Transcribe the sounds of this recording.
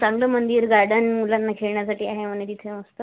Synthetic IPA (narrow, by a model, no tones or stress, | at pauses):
t͡saŋɡləmənd̪iːɾɡaɾɖənmulanːakʰeɭɳjasaʈiːaɦeʋəned̪it̪ʰẽʋəst̪ə